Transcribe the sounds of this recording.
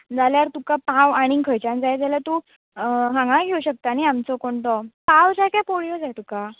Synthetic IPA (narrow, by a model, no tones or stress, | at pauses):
d͡zaljaɾt̪ukapawaɽ̃iŋkʰəjt͡ɕãnd͡zajd͡zalat̪u | ɦãŋɡãɡʱeuɕək̚t̪aniamt͡sɔkoɳt̪ɔpawd͡ʑakjapoɽijod͡zajt̪uka